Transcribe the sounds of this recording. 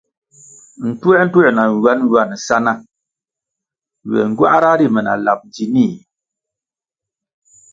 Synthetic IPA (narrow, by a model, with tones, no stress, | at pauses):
n̩˨twɛ˦n̩˦twɛ˦˨na˨ŋ˨wa˦n˦wa˦˨n˨sa˦na˦˨ | wɛ̰˨ŋ̩˨ɡwa̰˦ʔɾa˦di˦˨mɛ˨na̰˨la̰˨p̚d͡ʒi˨ni˦˨